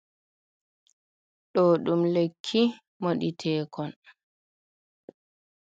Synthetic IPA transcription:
ɗɔːɗumlekʰːi | moɗitʰɛːkʰɔn

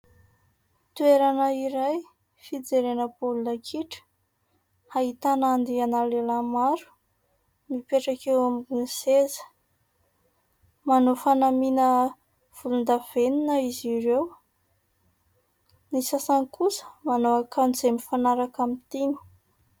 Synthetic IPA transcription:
t̪ueɾanəiɾaj | fid͡zeɾenəpolunəkʰiʈ͡ʂə̥ | hait̪anand̪ianalelamaɾu̥ | mipeʈ͡ʂakewamiinsezə̥ | manofanaminə | v̥ulund̪av̥eninəiziɾew | nisasanikusə̥manoakʰanzemifanaɾakamit̪ini̥

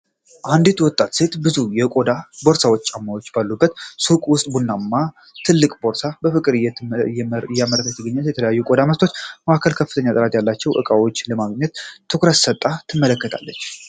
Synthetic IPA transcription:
ʔand̪it̪wɔt̪ʼːat̪se̞t̪bɨzujɛkʼod̪abo̞ɾsawot͡ʃːʼamːawo̞t͡ʃːbalːubːət̪sukʼwʊst̪ʼbunːamːa | t̪ʰɨlːɨkʼbo̞ɾsabəfɨkʼɨɾɨjɛjjɛaməɾək̪ʰət̪ʰːɨɡəɲːɛt̪jɛt̪ʰələjajːukʼo̞d̪amət̪ʰo̞t͡ʃːmaʔakʰəlkʰəfːɨt̪ʰəɲːat̪ʼəɾat̪ʼjalːat͡ʃːɛwʔɨ̰kʼawo̞t͡ʃːləmaɡɲːɛt̪t̪ʰːɨkɾət̪sət̪ʼːat̪ʰɨmːələkːət̪ʰa̰lːət͡ʃː

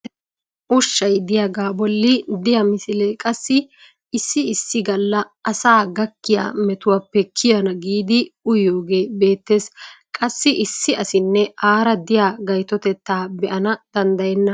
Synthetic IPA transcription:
ʔʊʃːɐjd̪ɪjaɡaːbɔlːɪd̪ɪjɐmɪsɪlekʼɐsːɪ | ɪsːɪɪsːɪɡɐlːɐː | saːɡɐkːɪja̰ːmɛt̪ʊwapːɛkʰːɪjɐnɐɡiːd̪ɪʊjo̞ːɡe̞ːbe̞ːt̪ːe̞ːskʼɐsːɪʔɪsːɪɐsɪnːɛʔaːɾɐd̪ɪjaːɡɐjt̪ɔt̪ɛt̪ːaːbɛʔɐnɐd̪̥ɐnd̪ɐjɛnːɐ

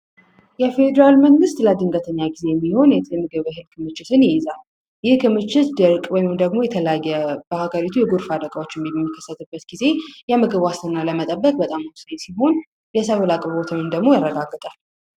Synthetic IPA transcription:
jɛfe̞d̪əɾalməŋɡɨst̪ləad̪ɨŋɡət̪ʰəɲːaɡize̞jɛmːiho̞njɛmɨɡɨβɦɨlkʰɨmɨt͡ʃːɪt̪ʰɨnjɪjɛzal | jɪhkʰɨmɨt͡ʃːɪt̪d̪ɨɾkʼwɔjihmd̪əɡmo̞jɛt̪ʰələjajːɛbəhaɡəɾit̪ʰujɛɡuɾfad̪əɡʼəwo̞t͡ʃːɛmjɛmːikʰːə̥sːət̪ʰɨbːət̪ɡ̥ize̞jɛmɨɡɨβwast̪ʰɨnːaləmət̪ʼəbːəkʼbət̪ʼamawsesiɦo̞n | jɛsəβulakʼəβot̪ʰənɨnd̪əɡmo̞jarːəɡaɡːɨt̪ʼal

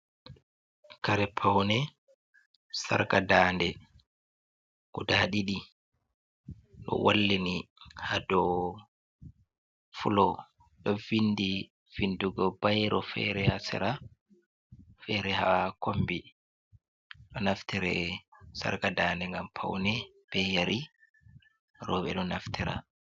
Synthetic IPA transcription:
kaɾɛpʰawnɛ | sa̰ɾkadaːndɛ | kudaːɗiɗi | ɗɔ̰walːinihadɔ | fulɔ | ɗɔvinːdi | vinduɡɔbajɾɔfɛ̰ɾɛhasɛ̰ɾa | fɛɾɛhawakombi | ɗɔnaftiɾɛsa̰ɾkadaːndɛŋɡampʰa̰wnɛ | b̥ɛjaɾi | ɾɔːɓɛɗɔnaftiɾa̰

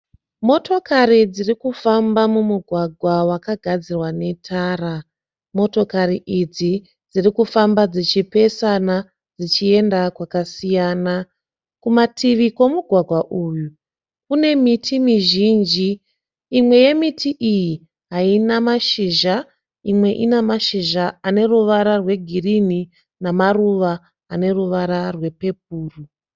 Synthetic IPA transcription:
mo̞to̞karid͡zirikufambamumuɡʱwaɡʱwawakaɡʱad͡zirwane̞tʰaːra | mo̞to̞kariʔid͡zi | d͡zirikufambad͡zit͡ʃipe̞sana | d͡zit͡ʃie̞ndakwakasijana | kumatʰiʋiko̞muɡʱwaɡʱwaʔuːju | kune̞mitʰimiʒind͡ʒiː | mwe̞je̞mitʰiʔiji | ɦainamaʃiʒa | imwe̞ʔinamaʃiʒaane̞ruʋaɾarwe̞ɡʱirini | namaruʋa | ane̞ruʋaɾarwe̞pe̞p̚uːru

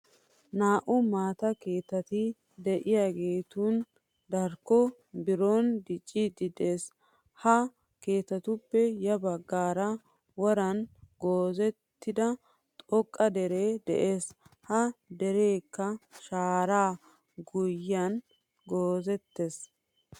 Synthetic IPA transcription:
naːʔʊmaːt̪ɐke̞ːt̪ːɐt̪ɪ | d̪ɛʔɪjaːɡe̞ːt̪un | d̪ɐɾkːɔ | bɪɾond̪ɪt͡ʃʼːɪd̪ɪd̪e̞ːs | hɐ | ke̞ːt̪ːɐt̪ʊpːɛjɐbɐɡːaːɾɐ | wɔɾɐnɡoːzɛt̪ːɪd̪ɐ | t̪ʼɔkʼːɐd̪ɛɾeːd̪ɛ̰ʔeːshɐd̪ɛɾeːkːɐʃaːɾaː | ɡʊjːɐn | ɡoːzɛt̪ːes

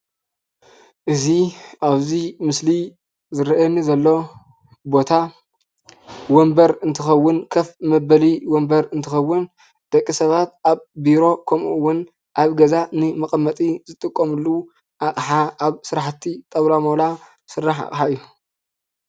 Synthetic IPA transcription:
ʔɨziʔaβzimɨsli | zɨɾɐʔɐnːizɐlːo̞ | bo̞t̪ʰa | wombɐɾɨnt̪ʰɨxɐwːʊnkʰɐfmɐbɐliwɔmbɐɾɨnt̪ʰɨxɐwːʊn | d̪̥ɐkʼːisɐβat̪̚ʔaβbiɾo̞kʰɐmwːʊn | ʔaβɡɐzanɨmɐkʼɐmːɐt̪ʼizɨt̪ʼɨkʼːomɨlːu | ʔaχʼħaaβsɨɾaħt̪ʰːit̪ʼɐβlamola | sɨrːaħa̰kʼħaɨjːu

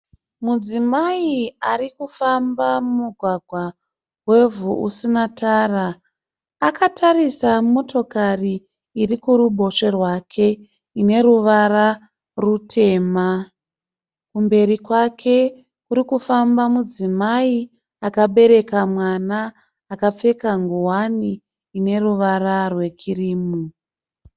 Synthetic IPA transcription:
mud͡zimaiarikufambamumuɡʱwaɡʱwa | we̞vuʔusinataːraː | katʰaɾisamo̞to̞kariː | rikuɾuɓʱo̞ʂe̞rwakʰe̞ | ine̞ɾuʋara | rutʰe̞ːma | kumbe̞ɾikwakʰe̞ | kuɾikufambamud͡zimai | akaɓe̞ɾe̞kamwanaː | kap͡fe̞kaŋɡuwaniː | ne̞ruʋaɾarwe̞kʰiriːmu

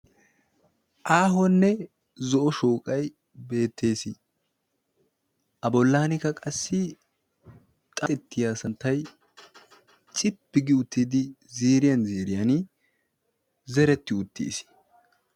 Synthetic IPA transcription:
ʔaːɦɔnːɛ | zɔʔɔʃoːkʼɐj | be̞ːt̪ːe̞ːsɪ | ʔɐbɔlːaːnɪkɐkʼɐsːɪ | t̪ʼɐɛt̪ːɪjaːsɐnt̪ːɐj | t͡ʃʼɪpːɪɡɪʊt̪ːɪd̪ɪ | ziːɾɪjɐnziːɾɪjɐn | zɛɾɛt̪ːɪʊt̪ːḭːsɪ̥

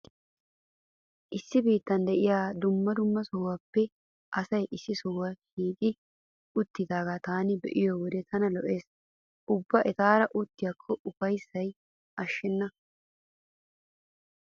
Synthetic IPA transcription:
ʔɪsːɪbiːt̪ːɐnd̪ɛʔɪjaːd̪ʊmːɐd̪ʊmːɐsɔwɐpːɛ | ʔɐsɐjʔɪsːɪsɔwɐhiːt̪ʼɪ | ʊt̪ːɪd̪aːɡat̪aːnɪbɛ̰ʔɪjɔwɔd̪ɛt̪ʰɐnɐlɔʔeːs | ʔʊbːɐʔɛt̪aːɾɐʔʊt̪ːɪjɐkʰːɔʔʊfɐjsːɐj | ʔɐʃːɛnːɐ

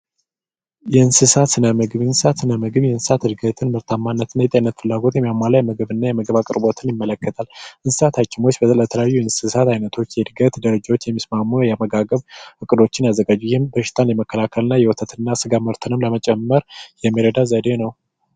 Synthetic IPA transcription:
jɛɨnsɨsat̪sɨnəmɨɡɨβɨnsɨsat̪sɨnəmɨɡɨβjɛɨnsɨ̥sat̪ɨd̪ɡət̪ʰɨnmɨɾt̪ʰamːanːət̪ɨnːajɛt̪ʼenːət̪fɨlːaɡo̞t̪jɛmijamːalajɛməɡɨβɨnːajɛməɡɨβakʼɨɾbo̞t̪ʰɨnjɪmːələkːət̪ʰalʔɨnsɨ̥sat̪hat͡ʃːɪmo̞t͡ʃːbələt̪ʰələjajːuɨnsɨsat̪ʰajnət̪ʰo̞t͡ʃːjɛd̪ɡət̪d̪əɾəd͡ʒawot͡ʃːjɛmːismamːujɛaməɡaɡəβɨkʼɨd̪o̞t͡ʃːɪnjazːəɡad͡ʒːujɪhɪmbəʃɪ̥t̪ʰʼanjɛməkːəlakʰəlɨnːajɛwɔt̪ʰət̪ʰɨnːasɨɡamɨɾt̪ʰɨnɨmləmət͡ʃʼɛmːəɾjɛmːiɾəd̪azəd̪enəw

